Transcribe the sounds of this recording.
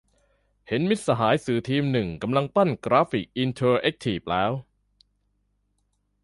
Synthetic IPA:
he˩˦nmi˦˥t̪̚sa˧ɦaː˩˦jsɯː˨˩t̪ʰiː˧mnɯ˨˩ŋka˧mla˧ŋt̪a˥˩nkɾaː˦˥fi˨˩k̚ʔi˧nt̪ʰɤː˧ʔe˦˥k̚t̪ʰiː˨˩p̚lɛː˦˥w

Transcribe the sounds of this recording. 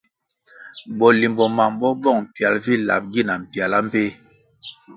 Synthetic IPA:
bɔ˨li˨mbɔ˨ma˨m˨bɔ˦bɔ˦˨ŋm̩˨pja˨lvi˦la̰˨p̚ɡi˦˨na˨m̩˨pja˨la˦m̩˦pe˦

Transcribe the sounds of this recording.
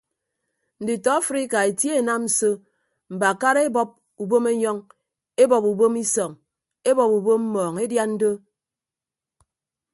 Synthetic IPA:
n̩˨di˨tɔ˨˦a˦fɾi˦ka˨e˨tje˦e˨na˦mn̩˨so˦ | m̩˨ba˨ka˦ɾe˦bɔ˦p̚ | u˨bo˦me˦ɲɔ˦ŋ | e˦bɔ˨pu˨bo˦mi˦sɔ˨ŋ | e˦bɔ˨pu˨bo˦mm̩˦mɔː˨ŋe˦dja˦n̩˦do˦

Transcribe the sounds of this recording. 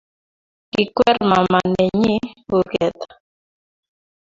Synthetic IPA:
kɪ˨kwɛ˦ɾma˨ma˨ne˨ɲi˦u˨ɡɛ˨t̪

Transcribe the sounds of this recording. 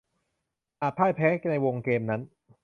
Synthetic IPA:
ʔaː˨˩t̪̚pʰaː˥˩jpʰɛː˦˥kna˧jwo˧ŋkeː˧mna˦˥n

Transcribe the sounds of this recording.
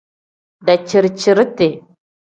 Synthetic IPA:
da˨t͡ʃi˨ɾt͡ʃi˨ɾte˨

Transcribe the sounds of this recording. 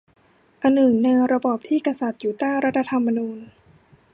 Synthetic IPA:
ʔa˧nːɯ˨˩ŋna˧ɾa˧bɔː˨˩p̚t̪ʰiː˥˩ka˧sa˨˩t̪̚juː˨˩t̪aː˥˩ɾa˦˥t̪ʰa˧t̪ʰa˧mːa˧nuː˧n

